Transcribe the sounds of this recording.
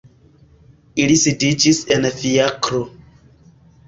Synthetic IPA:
ilisidid͡ʒisenfiakɾo

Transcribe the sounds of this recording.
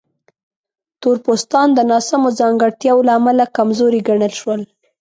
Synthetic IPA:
t̪oɾpost̪ɑnd̪ənɑsamozɑŋɡəɽt̪jɑwolaːmalakamzoɾiɡaɳəlʃwəl

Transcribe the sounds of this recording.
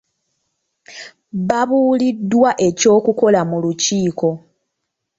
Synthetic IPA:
βaβuːlidːwaʔe̞co̞ːkuko̞lamuluciːko̞

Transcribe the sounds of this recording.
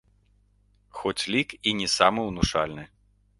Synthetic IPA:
xɔt͡sʲlʲikinʲɛsamɨwnuʂa̰lʲnɨ

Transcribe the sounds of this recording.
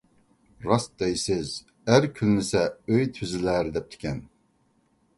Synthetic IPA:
ɾɑsd̪ɛjsɪz | æɾkʲʰynːɪsɛøjt̪ʰyzɪlæɾd̪ɛp̚t̪ʰɪ̥kʲʰɛn

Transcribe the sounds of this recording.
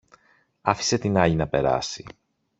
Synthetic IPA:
ɐfi̥se̞t̪inɐʎinɐpe̞ɾɐ̰si

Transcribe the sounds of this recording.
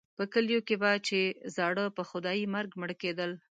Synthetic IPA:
pəkəljokebat͡ʃezɑɽəpəxʊd̪ɑjimaɾɡməɽked̪əl

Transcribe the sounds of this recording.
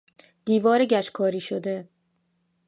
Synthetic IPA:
d̪̥iːvɒːɾeɟæʃkʰɒːɾiːʃod̪e

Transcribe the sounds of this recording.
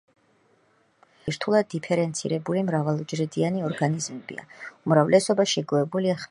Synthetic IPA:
ɾt̪ʰulˠad̪̚ːipʰɛɾɛnt̪sʰḭɾɛbulimɾavalˠd͡ʒɾid̪ianiɔɾɡanizmɛbḭa̰umɾavlɛsɔbaʃɛɡɔɛbuliaχ

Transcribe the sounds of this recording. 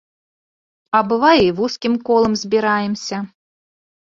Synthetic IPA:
ɐbɨvajivuskʲimkɔlˠɐmzʲbʲiɾajɛmsʲɐ

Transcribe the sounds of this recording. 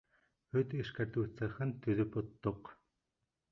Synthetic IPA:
ɵt̪iʃkart̪uːt͡săχɘ̆nt̪ʰːɵðɵ̆pʊt̪ːʊq

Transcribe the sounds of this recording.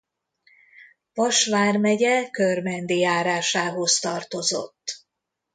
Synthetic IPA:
vɒʃʋaːrmɛɟɛkørmɛnd̪ijaːɾaːʃaːɦo̞st̪ɒrt̪o̞zo̞̰t̪ː

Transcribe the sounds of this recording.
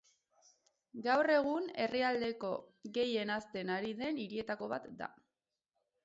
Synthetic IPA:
ɡawre̞ɣ̞une̞riald̪e̞ko̞ɣe̞je̞nast̪e̞naɾiðe̞niɾie̞t̪ako̞β̞a̰t̪d̪a̰

